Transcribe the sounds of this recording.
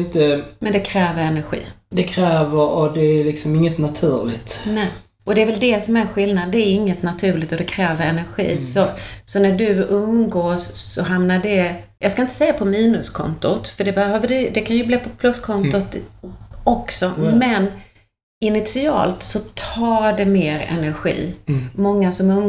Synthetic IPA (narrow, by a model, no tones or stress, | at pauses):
nt̪əmɛnd̪ɛkʰɾɛːvəɾɛnæɾɧḭːd̪ɛkʰɾɛːvəɾɔd̪ɛælɪksɔmɪŋːət̪nat̪ʰʉːɾlɪ̰t̪nɛ | ɔd̪ɛːɾvɛld̪ɛsɔmæɾɧɪlnad̪ːɛæɾɪŋːət̪nat̪ʰʉ̟ːɭɪɡ̚t̪ɔd̪ɛkʰɾɛːvəɾɛnæɾɧḭːsɔsɔnæɖɵɵnɡoːsːɔɦamnaɖɛjɑːɡskaɪnt̪əsɛjːapʰɔmiːnɵskʰɔ̰nt̪ʊt̪fœɖɛbɛhøːvəɖɛd̪ɛkʰanjɵbliːpʰɔpʰlɵskʰɔnt̪ʊt̪ | ɔksɔmɛn | ɪnɪt̪sɪɑ̰ːlt̪sɔt̪ʰɑːɖɛmeːɾɛ̰næɾɧḭːmɔŋːasɔmɵn